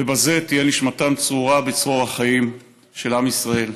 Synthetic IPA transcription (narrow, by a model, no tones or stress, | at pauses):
vebaze̞t̪ijeniʃmat̪amt͡suʁabet͡sʁoʁhaχaim | ʃe̞lamisʁae̞l